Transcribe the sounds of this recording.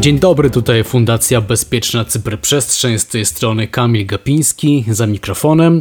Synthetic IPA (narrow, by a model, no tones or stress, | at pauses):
d͡ʑeɲd̪ɔbɾɘt̪ut̪ajfund̪at̪sʲjabɛspʲjɛt͡ʂnat̪sɘpɾpʂɛstʂɛɲst̪ɛjst̪ɾɔnɘkamʲilɡapʲiɲ̃skʲizamʲikɾɔfɔnɛm